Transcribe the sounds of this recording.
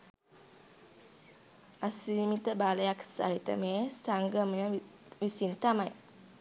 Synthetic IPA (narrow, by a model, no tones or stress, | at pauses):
asimit̪əbaləjaksa̰it̪ə̰mesaŋɡəm | wisint̪amaj